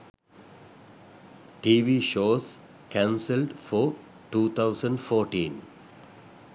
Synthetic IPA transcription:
ʈiːʋiːʃoːz | kãːnsɪlɖfɔː | ʈuːt̪ʰaʊsə̃ɳɖfɔːɾʈĩːn

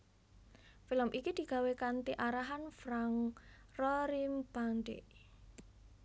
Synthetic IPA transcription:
filəmʔikid̪̥i̤ɡ̥ä̤wekant̪iʔaɾaɦanfɾaŋrɔɾimb̥anɖḛ

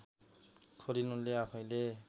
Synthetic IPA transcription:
kʰoɾinuleapʰaj̃le

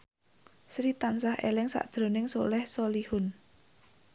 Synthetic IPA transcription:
sɾit̪ansahʔḛlɪŋsa̰ʔd̥ʒ̥ɾo̤nɪŋsolɛhsolihʊn

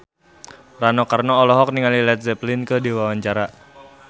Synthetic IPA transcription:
ranɔkarnɔːlɔɦɔk̚niŋalilɛt̪̚zɛplɪnkədiwawaɲt͡ʃaɾa

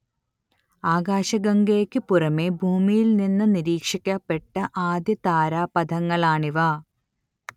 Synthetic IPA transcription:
aːɡaːɕɐɡɐŋɡeːkʲːɨpurɐmeːbʱuːmijilninːɨniɾiːkʂikʲːaːpːe̞ʈːɐʔaːd̪jɐt̪aːɾaːpɐd̪ʱɐŋːɐɭaːɳiʋaː

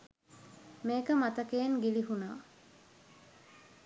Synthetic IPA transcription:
meːkəmat̪əkeːŋɡiliɦuna̰ː

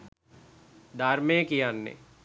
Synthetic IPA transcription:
d̪aːɾmẽkijaːnːḛː

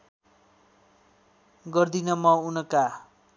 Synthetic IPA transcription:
ɡʌrd̪inʌmʌunʌka

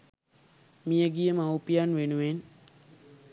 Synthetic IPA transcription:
mijəɡijəmawpijanʋenuʋen

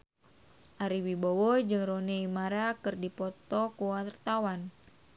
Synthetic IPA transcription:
ʔaɾiwibowɔd͡ʒɨŋronɛimaɾakɨrdipɔt̪ɔkuwat̪ərt̪awan

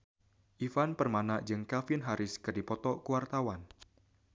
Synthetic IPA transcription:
ʔifanpərmanad͡ʒɨŋkafɪnɦaɾʔɪskɨrdipɔt̪ɔkuwart̪awan

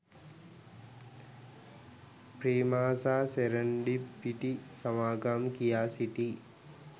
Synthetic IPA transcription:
pɾeːmaːsaːseɾɐɳɖipːiʈisɐmaːɡaːmkijaːsiʈi

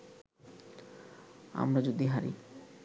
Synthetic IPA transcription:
a̰mɾad͡ʑod̪iɦaɾḭ

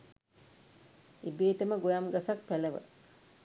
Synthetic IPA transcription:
ibeːʈəməɡojamɡasak̚pæləʋə̰

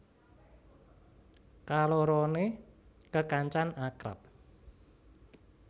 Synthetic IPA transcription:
kaloɾɔnekəkaɲt͡ʃanakɾa̰p̚

